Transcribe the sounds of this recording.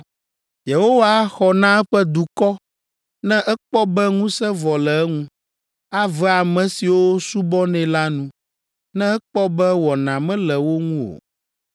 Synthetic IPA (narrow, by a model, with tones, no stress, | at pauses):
je˨ho˦wa˦xɔ˨nã˦ɛ˦ɸɛ˦d̪u˨kɔ˦ | nɛ̃˦ʔɛ˦k͡pɔ˦bɛ˦ŋũ˦sɛ˦vɔ˨lɛ˨ɛ˦ŋũ˦ | a˦vɛ˦a˨mɛ̃˨si˨wo˦su˦bɔ˦nɛ̃˨la˦nũ˦ | nɛ̃˦ɛ˦k͡pɔ˦bɛ˦wɔ˨nã˨mɛ̃˦lɛ˨wo˦ŋũ˦o̰˨